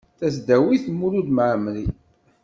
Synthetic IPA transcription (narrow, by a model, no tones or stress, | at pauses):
θæsd̪æwiθmuɾud̪mʕəmli